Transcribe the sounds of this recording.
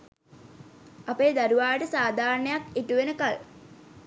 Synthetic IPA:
apeːd̪aɾuʋaːʈəsaːd̪ʱaːrɳəjakiʈuʋenəkal

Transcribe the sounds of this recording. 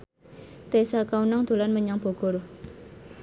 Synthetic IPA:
t̪esakaunaŋd̪̥o̤lanməɲaŋb̥o̤ɡ̥ɔɾ

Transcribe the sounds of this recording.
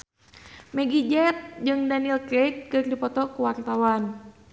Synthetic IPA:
mɛɡid͡ʒɛt̪̚d͡ʒɨŋdanilkɾet̪̚kɨrdipɔt̪ɔkuwart̪awan

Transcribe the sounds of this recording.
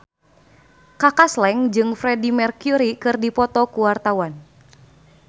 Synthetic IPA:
kakaslɛŋd͡ʒɨŋfɾɛdimɛrkjuɾikɨrdipɔt̪ɔkuwart̪awan

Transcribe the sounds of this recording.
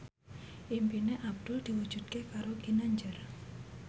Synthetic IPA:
ʔimpineʔab̚d̪̥ʊld̪̥iwud̥d͡ʒ̥ṳt̪̚kekaɾoɡinaɲd͡ʒər

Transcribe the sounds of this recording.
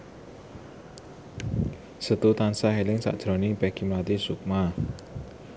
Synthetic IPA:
sət̪ut̪ansaɦelɪŋsa̰ʔd̥ʒ̥ɾɔnipɛkʰimlat̪isuk̚ma

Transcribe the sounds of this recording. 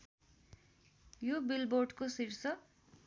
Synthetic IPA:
jobilboɖkosiɾsʌ

